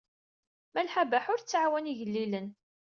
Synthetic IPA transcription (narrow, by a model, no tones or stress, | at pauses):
mælħabaħʊɾt͡sːʕwæniʝəlːilən